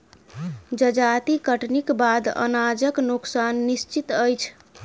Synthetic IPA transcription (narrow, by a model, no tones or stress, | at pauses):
d͡ʒəd͡ʒat̪ikəʈʰnikbad̪ə̰nad͡ʒəknuksanːist͡ʃit̪əjt͡ʃʰ